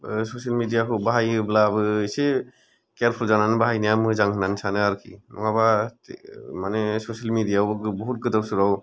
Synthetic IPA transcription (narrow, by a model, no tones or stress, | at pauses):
sosalmidijakɯbaɦajblaːbɯːjse | kɛɾpʰulzananbaɦajnijamɯzaŋkɯnansʰanɯaɾkʰḭmaba | manɛsosalmidijakbɔɦut̚ɡɯtapsuɾaw